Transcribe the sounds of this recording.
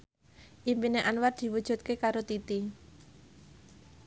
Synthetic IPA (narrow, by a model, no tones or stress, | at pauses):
ʔimpineʔanward̪̥i̤wud̥ʒ̥ṳt̪̚kekaɾot̪it̪i